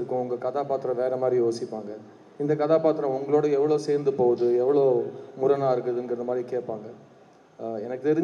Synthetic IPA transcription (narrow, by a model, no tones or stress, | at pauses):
ɾɯkːʊ̃ʊŋɡɐkɐðaːpaːt̪ːɾɐ̃ʋeːɾɐmaːd̪ɾijoːsɪpːaːŋɡɐ | ɪnd̪ɐkɐðaːpaːt̪ːɪɾɐ̃ʊŋɡɐɭoːɽɐɛʋːɐɭoseːɾnd̪ɯpoːðɯɛʋːɐɭoːmʊɾɐnaːɪɾɯkːɐðɯɛŋɡɪɾɐnd̪ɐmaːd̪ɾikeːʈ̚paːŋɡɐ | ɛnɐkːɯt̪ɛɾɯɲ